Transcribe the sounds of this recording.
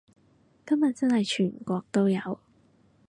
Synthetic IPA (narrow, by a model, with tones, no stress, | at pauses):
kɐ˥mjɐ˨˩t̚t͡sɐ˥nhɐ˨jt͡ʃʰyː˨˩nkʷɔː˧k̚t̪o˥wjɐ˨˧w